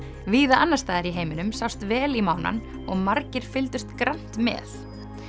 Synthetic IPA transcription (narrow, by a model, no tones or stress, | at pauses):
viːðaʔanːast̪aːðɪɾiɦeːjmɪnʏmsawst̪vɛːlimawna̰n | ɔɣmaɾcɪɾ̥fɪlt̪ʏst̪kɾan̥t̪mɛ̰ːθ